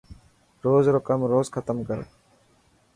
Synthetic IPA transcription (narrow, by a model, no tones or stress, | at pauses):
ɾoːzɾokəmɾoːzkʰət̪əmkəɾ